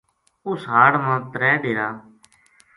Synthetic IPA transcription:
ʊsɦaːɽmãːt̪ɾɛːɖeːɾaː

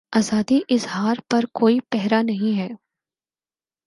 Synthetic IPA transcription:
aːzaːd̪iʔɪzɦaːɾpɐɾkoːipɛɦɾanɐɦĩɦɛː

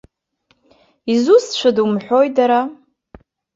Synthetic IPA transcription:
izust͡ʃʷʰadumħʷᶣo̞jdaɾa

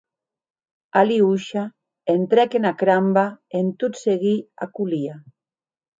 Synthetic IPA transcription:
aliuʃa | ent̪ɾɛkenakɾambaent̪ut̪seɣia̰kulia

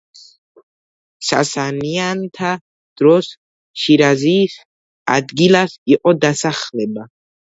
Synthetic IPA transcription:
sa̰saniant̪ʰa | d̪̥ɾɔs | ʃiɾaziːs | a̰d̪ɡilasiqʼɔd̪asaχlɛba

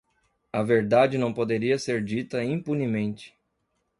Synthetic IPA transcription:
ɐveɾd̪ad͡ʒɪnɐ̃w̃pod̪eɾiɐseɾd͡ʒit̪ɐĩpunimẽnt͡ʃɪ̥

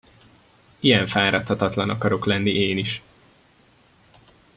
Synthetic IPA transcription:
iɛɱfaːɾɒt̪hɒt̪ɒt̪lɒnɒkɒɾo̞klɛnːiʔeːniʃ

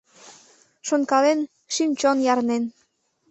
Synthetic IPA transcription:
ʃonkɑlen | ʃimt͡ɕonjɑrnen

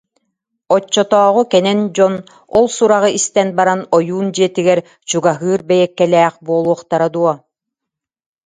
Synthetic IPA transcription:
ɔt͡ɕːɔt̪ɔːʁukɛnɛnd͡ʑɔn | ɔlˠsuɾaʁɯʔist̪ɛnbaɾanɔjuːnd͡ʑiɛt̪iɡɛɾ | t͡ɕuɡaɦɯːɾbɛjɛkːɛlɛːχbuɔːlˠuɔχt̪aɾad̪uɔ

